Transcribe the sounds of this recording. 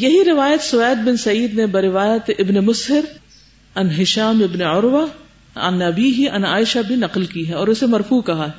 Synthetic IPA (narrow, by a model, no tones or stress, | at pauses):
jɐɦiɾɪʋaːjət̪sʊʋɛːd̪̚bɪnsɐiːd̪nebɐɾɪʋaːjət̪ʔɪbnemʊsɦɪɾ | ɐnɦɪʃaːmɪbneʊɾʋa | ɐ̰nɐbiːɦiʔɐ̰naːɪʃabʱinɐqlkiɦɛɔːɾʊsemɐɾfuːkɐɦaɦɛ